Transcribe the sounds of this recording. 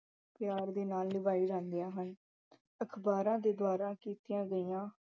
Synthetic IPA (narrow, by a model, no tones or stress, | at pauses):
pjaːɾd̪eːnaːlnɪbaːiːɾãːnd̪ɪjaːɦən | əkʰbaːɾãːd̪eːd̪ʊaːɾãːkiːt̪ɪjãːɡəiːãː